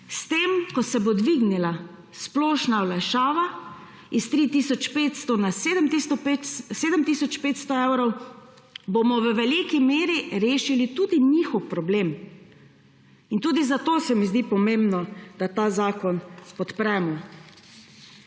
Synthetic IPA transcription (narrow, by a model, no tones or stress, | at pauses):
st̪eːmkɔsɛbod̪ʋiːɡnila | splɔːʃnawlaʃaːʋa | ist̪ɾiːt̪iːsɔt͡ʃpeːt̪st̪ɔnased̪əmt̪ist̪ɔpet̪seːd̪əmt̪iːsɔt͡ʃpeːt̪st̪ɔewɾɔw | boːmɔʋəʋɛlikimeːɾiɾeːʃilit̪uːd̪iɲixɔwpɾɔbleːm | int̪uːd̪izat̪oːsɛmizd̪ipɔmembnɔd̪̥at̪aːzaːkɔnspɔt̪pɾɛːmɔ